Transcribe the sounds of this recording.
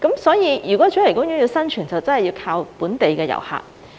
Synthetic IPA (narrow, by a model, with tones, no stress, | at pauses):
kɐ˨˥msɔː˨˥jiː˨˧jyː˨˩kɔː˨˥t͡ʃy˨˥ljkʊ˥ŋjyː˨˥ji˧wsɐ˥nt͡ʃʰyː˨˩nt͡sɐ˨wt͡sɐ˥nhɐ˨jiː˧wkʰaː˧wpuː˨˥nt̪e˨jkɛː˧jɐ̰˨˩wha̰ː˨t̚